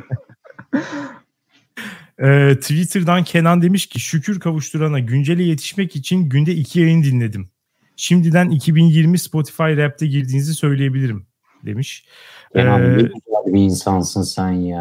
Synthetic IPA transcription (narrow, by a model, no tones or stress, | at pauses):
ɛːt̪ʰvit̪ʰɯɾd̪ancʰe̞nand̪e̞miʃcʰiʃycʰyɾkʰavuʃt̪ʰuɾanaɟynd͡ʒe̞lʲɛje̞t̪ʰi̥ʃmɛcit͡ʃʰinɟynd̪ɛicʰijajɯnɯd̪inlʲe̞d̪im | ʃimd̪id̪ænicʰibinjiɾmispo̞t̪ʰi̥fajɾɛp̚t̪ʰɛɟiɾd̪iːnizisø̞jlʲeje̞bilʲiɾim | d̪e̞miʃ | cʰenaiilaɾbiːnsansɯnsænja